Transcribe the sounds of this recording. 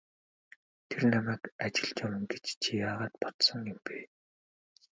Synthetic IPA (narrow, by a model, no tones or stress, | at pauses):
t̪ʰernamæːkat͡ɕɪ̆ɮt͡ɕawə̆ŋɡet͡ɕt͡ɕʰijaːʁaːt̪pɔt̪sɞ̆ŋjʊmpeː